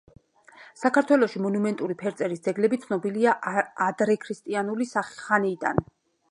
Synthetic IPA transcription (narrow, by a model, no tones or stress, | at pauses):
sakʰaɾt̪ʰwɛlˠɔʃimɔnumɛnt̪ʼuɾipʰɛɾt̪sʼɛɾisd̪zɛɡlɛbit̪sʰnɔbiliaʔːd̪ɾɛkʰɾist̪ʼianulisaχi̥χaniːd̪a̰n